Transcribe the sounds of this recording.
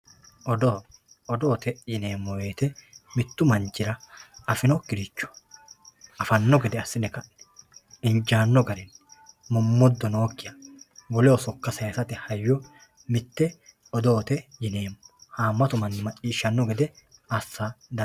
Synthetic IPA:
ɔd̪ɔ | ɔd̪oːt̪ɛjɪne̞ːmːɔwe̞ːt̪ɛmɪt̪ːʊmɐnt͡ʃːɪɾɐɐfɪnɔkɪɾɪt͡ʃːɔ̥ | ɐfɐnːɔɡɛd̪ɛɐsːɪnɛkɐʔnɛ̥ɪnd͡ʒaːnːɔɡɐɾɛnmʊmːɔd̪ːɔnoːkːɪjɐɡɔlɛɔsɔkːɐsɐjɐsɐt̪ɪhɐjːɔ | mɪt̪ːɛ | ɔd̪oːt̪ɛjɪne̞ːmːɔhaːmːɐt̪ʊmɐnːɪmɐt͡ʃʼːiːʃːɐnːɔɡɛd̪ɛɐsːad̪ɐ

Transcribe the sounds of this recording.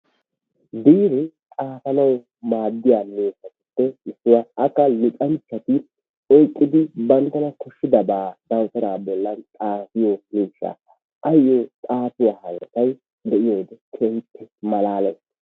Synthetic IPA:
biːɾɪ | tʼaːfɐnɐw | maːd̪ːɪjaːmeːsɐt̪ɪ̥tːɛɪsːʊwɐɐkːɐlʊt̪ʼɐnt͡ʃːɐt̪ɪ | ɔjkʼːɪd̪ɪbɐnt̪ːɐnɐkɔʃːɪd̪ɐbaːd̪ɐwt̪ɐɾaːbɔlːɐnt̪ʼaːfɪjomiːʃːa̰ | ʔɐjːɔt̪ʼaːtʊwaːhɐlɐt̪ɐj | d̪ɛʔɪjoːd̪ɛkʰɛnt̪ʰːɪmɐlaːlɛs

